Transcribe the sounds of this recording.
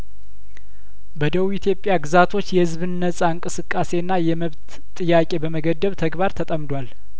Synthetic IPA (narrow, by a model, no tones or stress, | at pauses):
bəd̪əβujit̪ʰjo̞pʼːjaɡɨzat̪ʰo̞t͡ʃːjɛhɨzβɨnːəsʼaɨŋkʼɨsɨkʼːase̞nːajɛməβt̪ʼːɨjːakʼe̞bəməɡəd̪ːəβt̪ʰəɡbaɾt̪ʰət̪ʼəmd̪wal